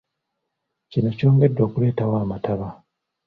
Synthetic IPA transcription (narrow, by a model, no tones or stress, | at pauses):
cino̞co̞ːŋɡe̞dːwo̞ːkule̞ːtawaːmataβa